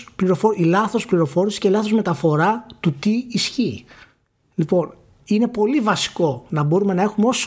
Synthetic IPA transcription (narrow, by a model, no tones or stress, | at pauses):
pliɾo̞foilɐθo̞spliɾo̞fo̞ɾisi̥sceilɐθozme̞t̪ɐfo̞ɾɐt̪ut̪iːsçi | lipo̞n | ine̞po̞livɐsi̥ko̞nɐbo̞ɾume̞nɐe̞xumeo̞s